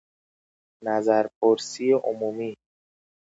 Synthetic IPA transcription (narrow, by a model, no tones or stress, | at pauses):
næzæɾpʰoɾsijeʔomuːmiː